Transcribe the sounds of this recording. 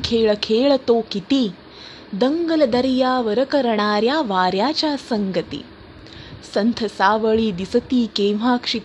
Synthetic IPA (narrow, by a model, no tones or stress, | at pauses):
kʰeːɭɐkʰeːɭɐt̪oːkit̪i | d̪ɐŋɡɐlɐd̪ɐɾijaːʋɐɾɐkɐɾɐɳaːɾjaːʋaːɾjaːt͡ʃaːɾsɐŋɡɐt̪ḭ | sɐnt̪ʰɐsaːʋɐɭiːd̪isɐt̪iːkeːʋ̤aːkʂi